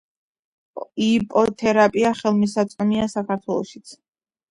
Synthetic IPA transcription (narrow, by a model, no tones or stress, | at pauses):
ipʼɔt̪ʰɛɾapʼiaχɛlˠmis̬at̪sʼqʼɔmiasakʰaɾt̪ʰwɛlˠɔ̰ʃi̥t̪sʰ